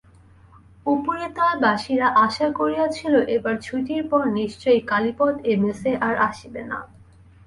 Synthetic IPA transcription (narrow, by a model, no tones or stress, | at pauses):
upoɾet̪aebaʃiɾaʔaʃakoɾijat͡ɕʰiloʔebaɾt͡ɕʰuʈiɾpɔɾniʃt͡ɕojkalipɔt̪emeseʔaɾaʃibena̰